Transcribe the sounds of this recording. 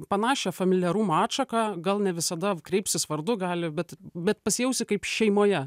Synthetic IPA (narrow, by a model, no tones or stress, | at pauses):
pɐnɑːʃʲɛfɐmʲɪlʲɪjɛɾuːmoɑːt̪ʃɐkɑɡɐlˠnʲɛʋʲɪsɐd̪ɐkɾʲɛɪpʲsʲɪsʋɐrd̪ʊɡɑːlʲɪbʲɛt̪bʲɛt̪pɐsʲjɛʊsʲɪkɐɪpʃʲɛɪmoːjɛ